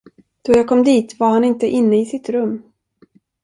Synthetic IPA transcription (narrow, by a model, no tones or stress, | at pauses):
d̪̥ɔjɑːkʰɔmd̪iːt̪vaɾhanɪnt̪əʔɪnːəɪsɪt̪ɾɵmː